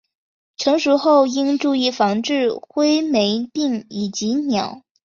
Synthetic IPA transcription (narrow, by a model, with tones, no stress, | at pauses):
ʈ͡ʂʰɤ˧˥ŋʂu˧˥xo˥˩ʊi˥ŋʈ͡ʂu˥˧i˥˩fɑ˧˥ŋʈ͡ʂɻ̩˥˩xwe˥ɪme˧˥ɪpi˥˩ŋi˨˩t͡ɕi˧˥njɑ˨˩˦ʊ